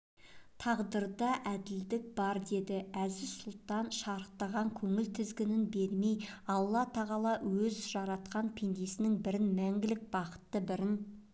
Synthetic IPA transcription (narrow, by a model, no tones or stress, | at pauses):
t̪ʰɑʁd̪əɾd̪ɑʔæd̪ɪld̪ɪk̚b̥ɑɾd̪e̞d̪ɪæzɪsʊlˠt̪ɑnʃɑɾəq̚t̪ɑʁɑŋkʲʰɵŋɪlt̪ʰɪzɡʲɪnɪnbe̞ɾme̞jɑlˠːɑt̪ʰɑʁɑlˠɑwɵzʒɑɾɑt̪qɑnpʰe̞nd̪e̞sɪnɪŋbɪɾɪnmæŋɡʲɪlɪk̚b̥ɑqə̥t̪ːəbɪɾɪn